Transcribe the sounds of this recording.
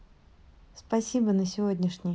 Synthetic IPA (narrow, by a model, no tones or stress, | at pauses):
spɐsʲibənəsʲɪvodʲnʲɪʂnʲɪ